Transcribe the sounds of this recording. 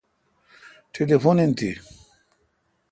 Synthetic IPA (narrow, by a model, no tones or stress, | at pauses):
ʈʰelefonint̪ʰi